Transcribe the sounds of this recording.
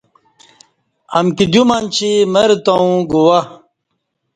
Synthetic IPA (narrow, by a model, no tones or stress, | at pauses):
ɐmkid̪umant͡ɕʰimɐɾt̪ow̃ɡuwɐ